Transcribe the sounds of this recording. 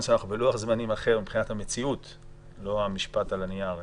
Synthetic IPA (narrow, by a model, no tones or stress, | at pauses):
nʃeanaχubeloaχzmanimaχe̞ʁmibpχinathamet͡siut | lo̞amiʃpatalaniaʁ